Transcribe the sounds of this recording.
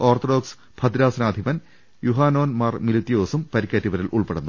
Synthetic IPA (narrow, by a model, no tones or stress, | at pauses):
oːrt̪oɖoːks | b̥ʰʱɐd̪ɾaːsɐnaːd̪ʱibɐn | juɦaːno̞ːnmaːrmilit̪ːijo̞ːsumpɐɾikʲːɐtːiʋɐɾilʔuɭpeɽunːu